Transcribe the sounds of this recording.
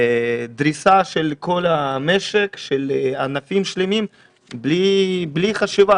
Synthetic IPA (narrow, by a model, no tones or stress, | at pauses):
d̪ɾisaʃelkʰolameʃekʃelanafimʃlemim | blibliχaʃiva